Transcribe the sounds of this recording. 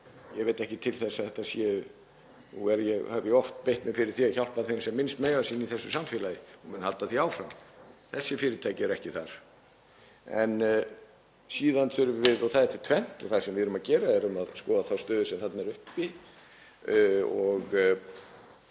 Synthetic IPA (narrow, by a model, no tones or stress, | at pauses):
jɛvejt̪ɛhcɪt̪ʰɪlθɛsːaθɛht̪ːasjɛ | nuɛɾjɛɣhœvjɪɔft̪pejht̪mɪfɪɾɪɾ̥θiaçawl̥paθensɛmːɪnst̪meːjasinːiθɛsːʏsamfɪːlajɪɔmʏnhalt̪aθiaːwfɾamθɛsːɪfɪːɾɪt̪ʰaːjcɪɛɾɛhcɪθaɾ̥ | ɛn | siːðanfʏɾʏvvɪðɔwθaðɛt̪ɪt̪ʰvɛn̥t̪ɔθaðsɛmvɪðʏɾʏmaðcɛːɾaɛɾʏmaðskɔːðaθawst̪œːðʏsɛmθat̪nɛɾʏhpi | ɔɣ